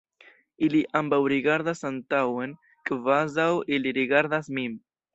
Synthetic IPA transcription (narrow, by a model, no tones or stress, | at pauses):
iliʔambawɾiɣaɾðasant̪aweŋ | kəvazawiliɾiɣaɾðasmim